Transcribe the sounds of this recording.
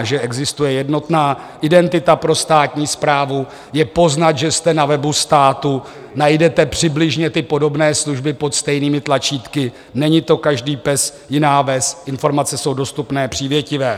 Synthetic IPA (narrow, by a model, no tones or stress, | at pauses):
ʒɛʔɛɡzɪst̪ujɛjɛdno̞t̪naː | ʔɪdɛnt̪ɪt̪apɾo̞st̪aːt̪ɲiːspɾaːvu | jɛpo̞znat̪ʒɛst̪ɛnavɛbust̪aːt̪u | najdɛt̪ɛpr̥ɪblɪʒɲɛt̪ɪpo̞do̞bnɛːsluʒbɪpo̞t̪st̪ɛjniːmɪt̪lat͡ʃiːt̪kɪ | nɛɲɪt̪o̞kaʒdiːpɛsjɪnaːvɛsʔɪnfo̞ɾmat͡sɛso̞wdo̞st̪upnɛːpr̥iːvjɛcɪvɛː